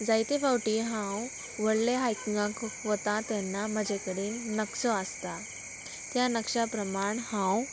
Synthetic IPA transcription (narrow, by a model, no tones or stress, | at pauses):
d͡zajt̪efawʈiːɦãw | ʋəɽleɦajkiŋɡãkʋət̪ãt̪ɛ̃nːaməd͡ʑʱekəɽiːnːəksɔəst̪a | t̪janəkʂapɾəmaɳhãw